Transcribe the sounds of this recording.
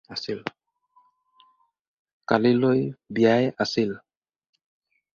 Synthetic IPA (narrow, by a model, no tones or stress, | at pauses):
asil | kalilojbijajasil